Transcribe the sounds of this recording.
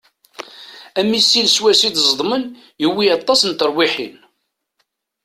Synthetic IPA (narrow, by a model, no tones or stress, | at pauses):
æmisːilswæsid̪zˤd̪ˤmən | jəwːiɑt̪ˤːɑsənt̪əɾˤwiħḭn